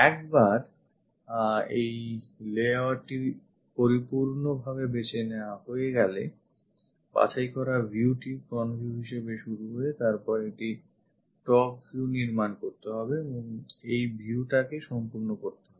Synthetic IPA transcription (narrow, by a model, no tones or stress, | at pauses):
ɛk̚baɾ | ejleaʈi | poɾipuɾnobʱaβebet͡ɕʰeneaɦoeɡɛle | pa̰t͡ɕʰajkɔɾabʱiuʈikɾɔnbʱiuɦiʃebeʃuɾuɦoet̪aɾpɔɾek̚ʈi | ʈɔk̚bʱiuniɾmankoɾt̪eɦɔbeeboŋejbʱiuʈakeʃɔmpuɾnokoɾt̪eɦɔbe